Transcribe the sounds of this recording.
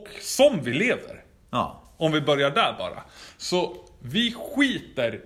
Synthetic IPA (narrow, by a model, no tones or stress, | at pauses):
ksɔmvɪleːvə̰ɾ | ɔmvɪbœɾjaɖæːɾbɑ̰ːɾa̰sɔvɪɧiːt̪əɾ